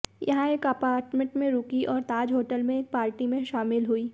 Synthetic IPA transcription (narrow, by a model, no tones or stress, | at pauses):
jɐ̰ɦãeːkɐpaːɾʈmẽɳʈmẽɾuːkiʔɔːɾt̪aːd͡ʒɦoːʈəlmẽeːk̚paːɾʈimẽʃaːmɪlɦuiː